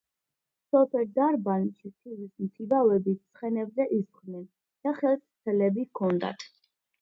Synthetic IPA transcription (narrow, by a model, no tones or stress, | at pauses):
sɔpʰɛɾd̪aɾbanʃit̪ʰivismt̪ʰibavɛbist̪sʰχɛnɛbzɛʔisχnɛn | d̪̥aχɛlst̪ʰɛlɛbikʰɔnd̪a̰t̪ʰ